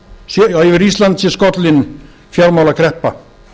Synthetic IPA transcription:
sivɪɾist̪lant̪sɛskɔt̪lɪn | fjalmawlakʰɾɛhpa

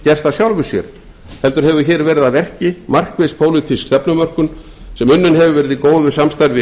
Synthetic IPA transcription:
cɛr̥st̪asjawlvʏsjɛ̰ɾ̥ | hɛlt̪ʏɾ̥ɦɛvʏçɛːɾvɛːɾɪðavɛr̥cɪmar̥kvespʰoːwlit̪ʰiskst̪ɛpnʏmœr̥kʏn | sɛmʏnːʏnɦɛvʏvɛːɾɪðikoːwðʏsamst̪aɾvɪ

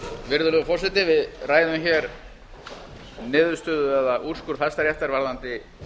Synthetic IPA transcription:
vɪɾðʏlʏːɣʏfɔrsɛt̪ɪvɪðraːjðʏmçɛɾ | nɪːðʏst̪ʏːðʏɛðaʔur̥skʏɾ̥fast̪aɾjɛft̪aɾvaɾðant̪ɪ

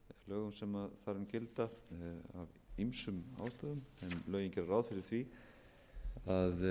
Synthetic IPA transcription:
lœːɣʏmsɛmaðθaɾʏmcɪlt̪aa̰v | imsʏma̰wst̪aðʏmɛmlœːɥjiɲcɛɾaɾaːwðfɪɾɪɾ̥θvi | að

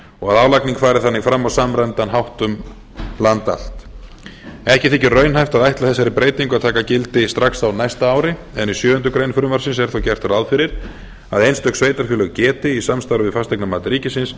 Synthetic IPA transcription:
ɔɣaðaːwlakniŋkfaːɾɪθanːɪɣfɾamːawsamɾɛnt̪anɦawht̪ʏm | lant̪a̰l̥t̪ | ɛhcɪθɪcːɪrœːɥnɦajft̪aðajht̪laθɛsːaɾipɾeːjt̪iŋkʏaðt̪ʰaːkacɪlt̪ɪst̪ɾaksawnajst̪aaːwɾɪ | ɛnisjœːʏnt̪ʏkɾejnfʏɾʏmvaɾsɪnsɛɾ̥θowcɛr̥t̪rawðfɪɾɪɾ̥ | aðejnst̪œhksveːjt̪aɾ̥fœːlʏɣcɛːt̪ɪisamst̪awɾʏvɪðfast̪ʰajknamaːt̪ɪɾiːcɪsɪns

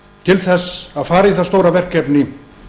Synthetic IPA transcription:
t̪ʰɪlθɛsːaðfaːɾaiθast̪owɾavɛr̥kɛpnɪ

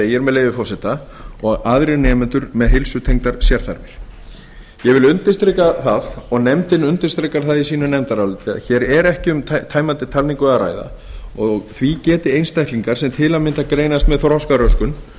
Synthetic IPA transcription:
ɛjɛɾmɛðleːjvɪfɔrsɛt̪a | ɔɣaðɾɪnɛːmʏnt̪ʏɾmɛðɦɪlsʏt̪ʰejŋt̪aɾ̥sjɛɾ̥θa̰ɾvɪɾ̥ | jɛvɪlʏnt̪ɪ̥st̪ɾɛkaθaðɔɣnɛmt̪ɪnʏnt̪ɪ̥st̪ɾɛkaɾ̥θaðisiːnʏnɛmt̪aɾalʏt̪ɪa̰çɛːɾɛɾɛhcɪʏmt̪ʰaːjmant̪ɪt̪ʰalniŋkʏaðɾa̰ːjða̰ | ɔɣθvicɛːt̪ɪejnst̪ɛjht̪liŋkaɾ̥sɛmt̪ʰɪlaðmɪnt̪akɾeːjnast̪mɛðθɾhaskaɾœskʏn

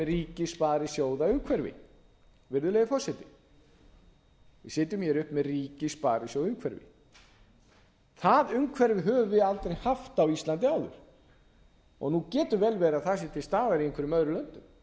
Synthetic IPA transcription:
ɛriːcɪspaːɾɪsjoːwðaʏŋkʰvɛɾvɪ̰ | vɪɾðʏleːjðɪfɔrsɛt̪ɪ | vɪ̰sɪːt̪̬ʏmçɛɾʏhpmɛðriːcɪspaːɾɪsjowʏmkʰvɛɾvɪ̰ | θaðʏŋkʰvɛɾvɪɦœːvʏvɪalt̪ɾejhaft̪awist̪lant̪ɪaːwðʏ̰ɾ̥ | ɔ̰ɣnucɛːt̪ʏvɛːlvɛːɾaθas̬ɛt̪ʰɪst̪aːðaɾieŋkʰvɪɾʏmœðɾʏlœnt̪ʏm

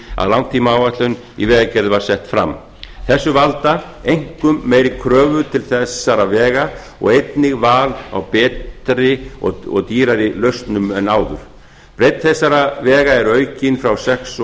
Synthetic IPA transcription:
a̰ðlawnt̪ʰiːmaawvat̪lʏn | ḭvɛːɣacɛɾðvaɾ̥sɛht̪fɾa̰mː | θɛsːʏvalt̪aejŋ̥kʏmːejɾɪkʰɾœːvʏðt̪ʰɪlθɛsːaɾavɛːɣa | ɔ̰ɣejt̪nɪɣvaːla̰wpɛːt̪ɾɪɔ̰ɔ̰ɣt̪iːɾaɾɪlœɥst̪nʏmɛnaːwðʏɾ̥ | pɾejt̪θɛsːaɾavɛːɣaɛɾœːɥcɪnfɾawsɛks

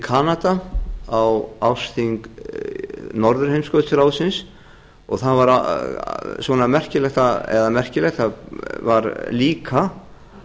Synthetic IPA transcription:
ikʰaːnat̪aawawfst̪iŋk | nɔɾðʏɾ̥hejmskœːt̪sʏɾaːwsɪns | ɔɣθanvaɾa | svɔnamɛr̥cɪlɛxt̪aɛ̰ðamɛr̥cɪlɛxt̪avaɾliːkʰa

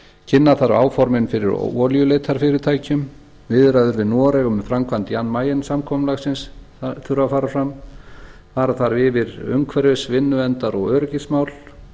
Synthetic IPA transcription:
cʰɪnːaθaɾa̰ːwfɔɾmɪnfɪɾɪ̰ɾ̰ɔːljʏleːjt̪ʰaɾ̥fɪɾɪt̪ʰaːjcʏm | vɪðɾaðʏɾvɪnɔːɾɛɣʏmfɾamkʰvant̪janmaːjɪnsamkʰɔmlaɣsɪns | θʏɾafaːɾafɾam | faːɾaθaɾvɪvɪɾʏ̰ŋkʰvɛɾɪsvɪnːʏvɛnt̪aɾɔɣœːɾʏcɪsmawl

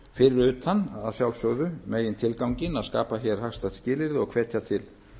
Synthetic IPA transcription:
fɪɾɪɾʏːt̪ana̰ðsjawlsœɣðʏmeːjɪnt̪ʰɪlkawŋcɪnaðska̰ːpaçɛɾ̥haxst̪at̪scɪːlɪɾðɪɔɣkʰv̥ɛːt̪jat̪ʰɪl

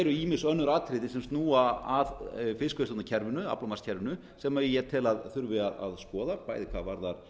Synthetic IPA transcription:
ɾʏiːmɪ̥sœnːʏɾaːt̪ʰɾɪðɪsɛmst̪nuːaaðfɪskvɪsɔtnacʰɛɾvɪnʏa̰plamascʰɛɾvɪnʏ | sɛmːaɛjɛt̪ʰɪlaðθʏɾvɪaða̰ðskɔːðapaːjðɪkʰvavaɾðaɾ̥

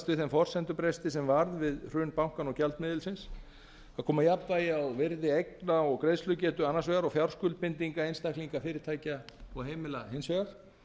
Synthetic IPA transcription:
st̪vɪθɛmfɔr̥sɛnt̪ʏpɾɛst̪ɪsɛmvaɾðvɪðr̥ʏːnpawŋ̥kanɔɣcɛlt̪mɪːðɪlsɪns | aðkʰɔːmajap̪vajɪawvɪɾðɪejknaɔɣkɾejðslʏcɛːt̪ʏanːasvɛːɣaɾɔɣfjawr̥skʏl̚pɪnt̪iŋkaejnst̪ahkliŋkafɪːɾɪɾ̥t̪ʰaːjcaɔɣɦeːjmɪlaɦejnsvɛːɣaɾ̥

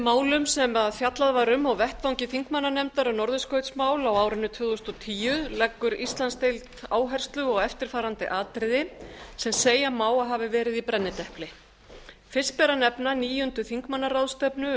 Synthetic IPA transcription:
maːwlʏmsɛmaðfjat̪laðvaɾʏmɔɣvɛht̪vawŋcɪθiŋkmanːanɛmt̪aɾʏnɔɾðʏskœɥt̪smaːwlawaːwɾɪnːʏt̪ʰvʏɣʏst̪ɔt̪ʰiːjʏlɛkːʏɾist̪lanst̪ejlt̪aːwɦɛr̥st̪lʏɔɣɛft̪ɪɾ̥faːɾant̪ɪ̰ʔaːt̪ɾɪðɪsɛmseːjamaːwaɦavɪvɛːɾɪðipɾɛnːɪt̪ɛhplɪ | fɪrspɛɾanɛpnaniːjʏnt̪ʏθiŋkmanːarawðst̪ɛpnʏ

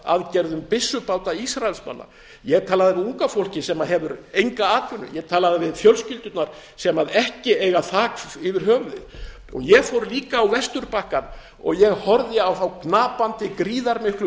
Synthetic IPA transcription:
a̰ðcɛɾðʏmpɪsːʏpaːwt̪aisɾaɛlsma̰nːa̰ | jɛt̪ʰaːlaðɪvɪðuŋkafowl̥cɪsɛmaðɦɛvʏɾejŋkaaːt̪vʏnːʏ̰jɛɣt̪ʰaːlaðɪvɪðfjœlscʏlt̪ʏt̪naɾ̥ | sɛmaðɛhcɪeːjɣaθaːkɪvɪɾ̥ɦœːɣðɪ | ɔ̰ɣjɛɣfowɾliːkaːwvɛst̪ʏɾpahkan | ɔ̰ɣjɛɣhɔɾðɪawθawknaːpant̪ɪkɾiːðaɾmɪhklʏ

